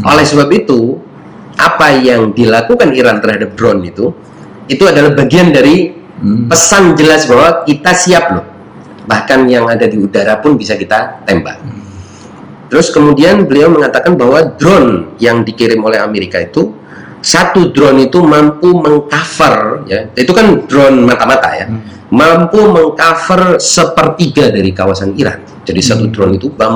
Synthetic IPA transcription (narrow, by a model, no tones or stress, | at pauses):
ʔolɛhsəbapit̪u | ʔapajaŋdilakukaniɾant̪ərhadap̚dɾɔnit̪u | it̪uadalahbaɡiandaɾi | pəsand͡ʒəlasbaɦwakit̪asiap̚lʊh | bahkanjaŋadadiudaɾapʊnbisakit̪at̪ɛmba̰ | t̪əɾʊskəmudianbəliawməŋat̪akanbahwadɾɔnjaŋdikiɾɪmolɛɦameɾikait̪u | sat̪udɾɔnit̪umampuməŋkafərjait̪ukandɾɔnmat̪amat̪a̰ja̰ | mampuməŋkafərsəpərt̪iɡadaɾikawasaniɾa̰n̚ | d͡ʒadisat̪udɾɔnit̪ubam